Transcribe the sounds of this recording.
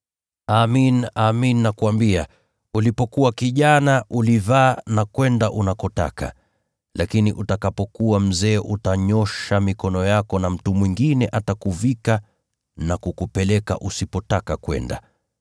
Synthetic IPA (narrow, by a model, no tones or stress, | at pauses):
aminaminːakuambia | ulipɔkuwakiʄanaʔulivaːnakwɛndaʔunakɔta̰ka̰ | lʔakiniʔutakapɔkuam̩zɛːʔutaɲɔʃamikɔnɔjakɔnam̩tumwiŋɡinɛʔatakuvika | nakukupɛlɛka̰ʔusipɔtakakwɛ̰nda̰